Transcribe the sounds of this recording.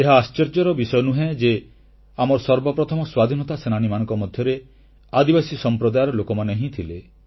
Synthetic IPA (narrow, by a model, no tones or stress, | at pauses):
eɦaast͡ʃeɾd͡ʒɔɾɔbisɔjɔnuɦẽd͡ʒe | amɔɾsɔɾbɔpɾɔt̪ʰɔmɔswad̪ʱinɔt̪asenañimañɔ̃ŋkɔmɔd̪ʱjɔɾe | ad̪ibasisɔmpɾɔd̪ajɔɾɔlokɔmaneɦĩt̪ʰile